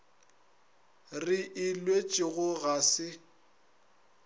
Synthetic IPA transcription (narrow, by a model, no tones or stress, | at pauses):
rɪʔɪlwet͡ʃʼɪɣʊɣasɪ